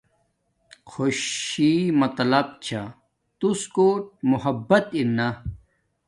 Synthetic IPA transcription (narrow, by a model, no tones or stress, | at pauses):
xʰoɕimɐt̪lɐb̚t͡ɕʰa | t̪uskoːʈ̚muhɐbːɐt̪inːɐ